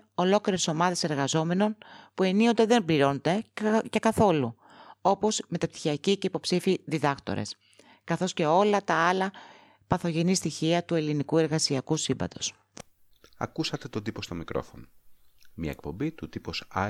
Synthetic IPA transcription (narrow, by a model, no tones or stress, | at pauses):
o̞lo̞kliɾeso̞mɐðe̞se̞ɾɣɐzo̞me̞no̞npue̞nio̞nd̪eðe̞mbliɾo̞ned̪e̞ce̞kɐθo̞lu | o̞po̞sme̞t̪ɐpt̪i̥çiɐciceipo̞psifiðiðɐkt̪o̰ɾe̞̰s | kɐθo̞sce̞o̞lɐt̪ɐɐlɐ | pɐθo̞ʝe̞nist̪içiɐt̪ue̞linikue̞ɾɣɐsiɐkusimbɐ̰t̪o̞s | ɐ̰kusɐt̪e̞t̪o̞d̪ipo̞st̪omikɾo̞̰fo̞̰nomɲɐ̰ek̚po̞̰mbit̪ut̪ipos